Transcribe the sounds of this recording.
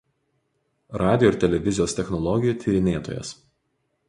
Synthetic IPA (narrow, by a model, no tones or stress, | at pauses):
ɾɑːd̪ʲɪjoɪɾt̪ʲɛlʲɛʋʲɪzʲɪjoːst̪ʲɛxnɔlˠɔɡʲɪjuːˑt̪ʲʰiːɾʲɪnʲeːt̪o̰ːjɛ̰s